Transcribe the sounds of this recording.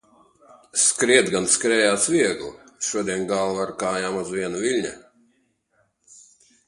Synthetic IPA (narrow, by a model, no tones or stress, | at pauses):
skɾiɛd̪ɡanskɾɛːjaːsvʲiɛɡlˠʃuɔd̪ʲiɛnɡalˠvaɾkaːjaːmazvʲiɛnuvʲilʲɲa̰